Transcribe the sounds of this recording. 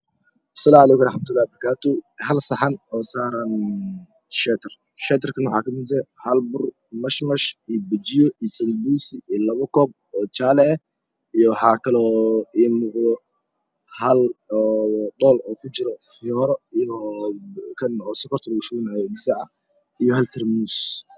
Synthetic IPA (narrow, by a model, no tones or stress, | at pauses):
ʔɐ̥sɐlaːmʕɑlɛːkʊɾɑħmɐt̪ʰʊlːaːhbɐɾkʰaːt̪ʰʊhɐlsɐħɑnɔːsaːɾɐn | ʃɛːt̪ʰɐr | ʃɛːt̪ʰɪrkʰɐnwɑħɑːkʰɐmɪd̪ɐhɐlbʊr | mɐʃmɐʃibɪt͡ʃɪjɔʔisɐlbuːsɪilɐβɐkʰɔːb̚ | ɔːt͡ʃaːlɛɛ | ijɔwħɑːkʰɐlɔːiːmuːqd̪ɔ | hɐlɔːɖɔːlɔːkʰʊt͡ʃɪɾɔfɪjɔːɾɔijɔ | kʰɐnɔːsʊkʰɔrt̪ʰrʊʃunɛɡɪsɐʕɐ | ijɔhɐlt̪ʰɛrmuːs